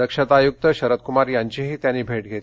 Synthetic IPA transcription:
əkʂət̪ajuk̚t̪əɕəɾət̪kumaɾjaɲt͡ɕiɦiːt̪janːiːbʱeʈɡʱet̪

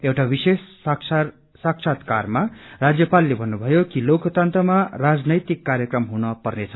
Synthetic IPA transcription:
ewʈabisesk | saksʰat̪karmarad͡zjʌpalːebʱʌnːubʱʌjokilokot̪ant̪rʌmarad͡znʌjt̪ikːaɾjʌkrʌmɦunʌpʌrnet͡sʰʌ

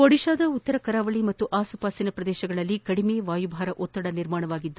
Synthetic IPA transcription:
ɔɽiʃaːd̪ɐut̪ːɐɾɐkɐɾaːʋɐɭimɐt̪ːuʔaːsupaːsinɐpɾɐd̪ɛːʃɐɡɐɭɐlːikɐɽimeːʋaːjubʱaːɾɐʔɔt̪ːɐɽɐniɾmaːɳɐʋaːɡid̪ːu

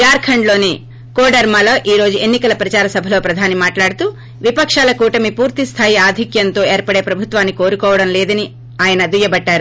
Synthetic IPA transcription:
jaːɾkʰɐɳɖlo̞ːneː | koːɖɐɾmaːloːʔiːɾo̞ːd͡ʒue̞nːikɐlɐpɾɐt͡ʃaːɾɐsɐbʱɐlo̞ːpɾɐd̪ʱaːnimaːʈlaːɽut̪uː | ʋipɐkʂaːlɐkuːʈɐmipuːɾt̪ist̪ʰaːjiaːd̪ʱikjɐnt̪o̞ːe̞ːɾpɐɽe̞ːpɾɐbʱut̪ʋaːnːiko̞ːɾukɔːʋɐɽɐmleːd̪ɐni | aːjɐnɐd̪ujɐbɐʈːaːɾu

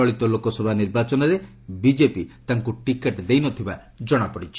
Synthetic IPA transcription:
ɔɭit̪ɔlokɔsɔbʱaniɾbat͡ʃɔnɔɾe | bid͡ʒepit̪aŋkuʈikeʈd̪ejnɔt̪ʰiba | d͡ʒɔɽ̃apɔɽit͡ʃʰi

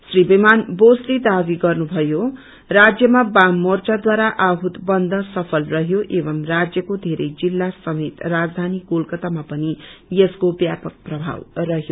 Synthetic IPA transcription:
sribimanbosled̪abiɡʌrnubʱʌjo | rad͡zjʌmabamːort͡sad̪waɾaʔaɦut̪bʌnd̪ʱʌsʌpʰʌlrʌɦjoʔebʌmrad͡zjʌkod̪ʱeɾʌjd͡zilːasʌmet̪rad͡zd̪ʱaniɡolkʌt̪amapʌnijeskobjapʌk̚prʌbʱa̰wrʌɦjo

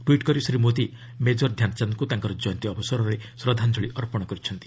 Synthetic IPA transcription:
ʈwiʈkɔɾisɾimot̪i | med͡ʒɔɾd̪ʱjant͡ʃanɔkut̪aŋkɔɾɔd͡ʒɔjnt̪iɔbɔsɔɾɔɾesɾɔd̪ʱand͡ʒʱoɭiʔɔɾpɔɽ̃ɔkɔɾit͡ʃʰɔnt̪i̥

